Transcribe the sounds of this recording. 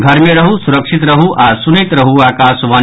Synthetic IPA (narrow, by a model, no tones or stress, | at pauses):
ɡʱɐɾmẽɾɐɦusuɾɐkʂit̪ɾɐɦuʔʔaːsunit̪ɾɐɦuaːkaːsʋaː